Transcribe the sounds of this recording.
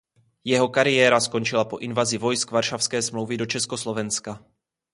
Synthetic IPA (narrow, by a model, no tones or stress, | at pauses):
jɛɦo̞kaɾɪjɛːɾasko̞nt͡ʃɪlapoʔɪnvazɪvo̞jskvaɾʃafskɛːsmlo̞wvɪdo̞t͡ʃɛskoslovɛnska